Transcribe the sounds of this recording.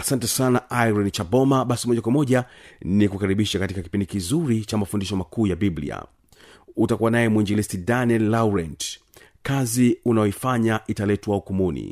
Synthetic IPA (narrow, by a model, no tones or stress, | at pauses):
asantɛsanaʔaiɾɔnit͡ʃabɔmaɓasimɔʄakwamɔʄanikukaɾiɓiʃakatikaki̥pindikizuɾit͡ʃamafundiʃɔmakuːjabiblḭa̰ | utakuwanajɛmuinɡɛlisidaniɛlːauɾɛnt | kaziunajɔifaɲaʔitalɛtwaukumunḭ